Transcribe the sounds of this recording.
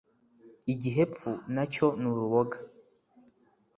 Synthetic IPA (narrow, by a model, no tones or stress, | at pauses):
iɟiɦep̪funat͡ʃɔnuɾuβɔɡa